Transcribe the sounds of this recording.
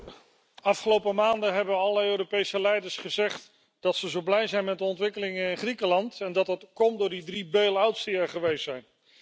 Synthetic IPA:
ɑfχəlowpəmaːndəɦɛbənɑlləøːropejsəlɛjdəɹsχəzɛχt | d̥ɑtsəzowblɛjzɛjnmɛt̚dəɔntʋɪkəlɪŋənɪnχrikəlɑntɛndɑtətkɔmtdʊːɹdidribejlˠawtsiɛχəʋejstsɛjn

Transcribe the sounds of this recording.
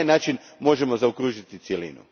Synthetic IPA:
jnaːt͡ʃin | mo̞ʒemo̞zaukɾuːʒit̪it̪sjelḭːnṵ

